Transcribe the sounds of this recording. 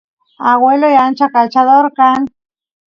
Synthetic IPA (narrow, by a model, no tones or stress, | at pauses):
aɣwelojant͡ʃakalt͡ʃaðoɾkan